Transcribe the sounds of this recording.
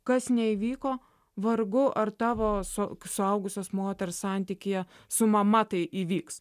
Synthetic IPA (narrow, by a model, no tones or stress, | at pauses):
kɐsnʲɛiʋʲiːkoː | ʋɐɾɡʊʔɐrt̪ɑːʋoːsosʊɐʊɡʊsʲoːsmoːt̪ʲɛɾssɑˑnʲt̪ʲiːkʲɪjɛ | sʊmɐmɐt̪ɐɪʔiːʋʲiːks